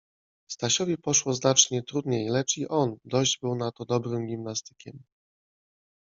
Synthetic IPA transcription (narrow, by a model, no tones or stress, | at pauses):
st̪aɕɔvʲɛpɔʂwɔznat͡ʂɲɛt̪ɾud̪ɲejlɛt͡ʂiʔɔnd̪ɔʑd͡ʑbɘwnat̪ɔd̪ɔbɾɘmɡʲimnast̪ɘ̥kʲɛm